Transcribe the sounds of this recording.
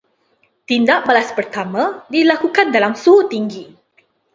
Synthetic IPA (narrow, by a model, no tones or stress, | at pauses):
t̪indaʔbalaspərt̪amãdilakukandalamsuɦʊt̪iŋɡi